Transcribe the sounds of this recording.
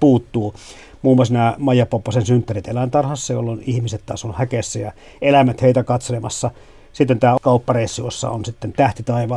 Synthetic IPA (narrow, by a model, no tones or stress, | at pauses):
puːt̪ːuː | muːmːɑsnæːmɑijɑpːopːɑsensynt̪ːærit̪elænt̪ɑrhɑsːɑjo̰lːonihmiset̪t̪ɑ̰ːsonhækesːæjɑ | elæmæt̪heit̪ækɑt̪selemɑsːɑ | sit̪ːent̪æːkɑupːɑreisːiosːɑ̰o̰nsit̪ːent̪æht̪it̪ɑiʋɑ